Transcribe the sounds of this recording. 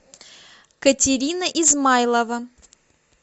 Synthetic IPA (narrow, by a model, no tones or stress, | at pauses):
kətʲɪɾʲinəʔizmajlˠəvə